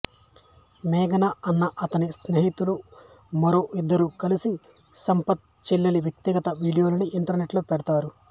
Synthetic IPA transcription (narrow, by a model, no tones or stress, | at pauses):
mɛːɡɐnɐɐnːɐʔɐt̪ɐnisneːɦit̪ulu | mɐɾoːʔid̪ːɐɾukɐlisi | sɐmpɐt̪̚t͡ʃilːɐliʋjɐk̚t̪iɡɐt̪ɐʋiːɽijoːlɐniʔiɳʈɐɾneʈloːpɛɽɐt̪aːɾu